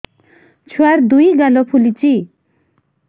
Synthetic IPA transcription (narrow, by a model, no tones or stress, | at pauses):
t͡sʰuaɾd̪ujɡalɔpʰulit͡si